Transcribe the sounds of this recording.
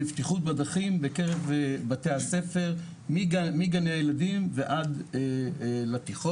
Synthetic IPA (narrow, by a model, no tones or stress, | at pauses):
ift̪iχut̚bad̪aχimbekeʁevbatehase̞fe̞ʁ | mimiɡaneajeladimveʔad̪elat̪iχo